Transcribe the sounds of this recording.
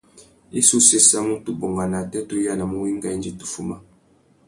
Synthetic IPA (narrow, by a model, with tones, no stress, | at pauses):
i˦su˦se˦sa˦mu˦tu˨bo˨ŋɡa˨na˨tɛ˦to˦ja˦na˨mu˦wi˦ŋ˦ɡa˦˨i˦nd͡ʒi˦tu̥˨fu˦ma˦